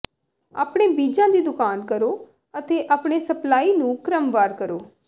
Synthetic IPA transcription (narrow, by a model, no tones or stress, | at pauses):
a̰ːpɳ̃eːbiːd͡ʒãːd̪iːd̪ʊkaːnkəɾoː | ət̪eːʔaːpɽ̃eːsəplaːiːnũːkɾəmʋaːɾkəɾoː